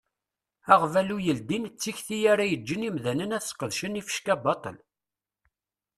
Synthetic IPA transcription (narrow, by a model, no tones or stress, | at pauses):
æʁvælujəld̪int͡sːiçθijæɾajəd͡ʒːənimðænənæθə̥sqəðʃənifə̥ʃkæbɑt̪ˤə̰l